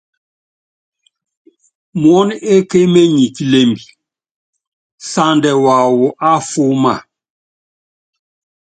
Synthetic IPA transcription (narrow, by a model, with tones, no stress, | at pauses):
m˨ɔ˦ne˦ke˦me˦ɲi˨ki˨le˦mbi˨ | sa˦ndɛ˨wa˨wu˨ʔa˦fo˦ma̰˨